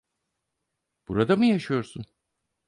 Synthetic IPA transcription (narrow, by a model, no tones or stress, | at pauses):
b̥uɾad̪amɯjaʃɯjo̞ɾsun